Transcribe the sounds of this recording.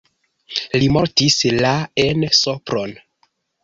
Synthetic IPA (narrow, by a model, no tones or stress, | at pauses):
limoɾtislaensopɾon